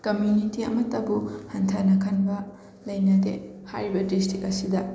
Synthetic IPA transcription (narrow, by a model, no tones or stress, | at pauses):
kɐmjunitiɐ̰mɐtːɐbuhɐntʰanɐkʰɐnbɐ | lɐjnɐdḛha̰jɾibɐdistikɐsidɐ